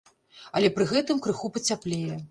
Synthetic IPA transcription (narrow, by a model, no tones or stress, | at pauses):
ɐlʲɛpɾɨɣɛt̪ɨmkɾɨxupɐt͡sʲaplʲejɛ